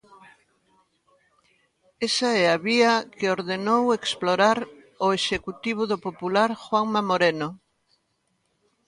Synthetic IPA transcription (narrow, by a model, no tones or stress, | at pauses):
esaɛaβiakɪoɾðenoweksploɾaɾ | oeʃekut̪iβ̞uðopopulaɾxwaŋmamoɾeno